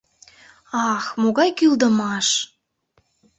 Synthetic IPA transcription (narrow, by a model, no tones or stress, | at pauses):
ɑxmoɣɑjkyld̪əmɑʃ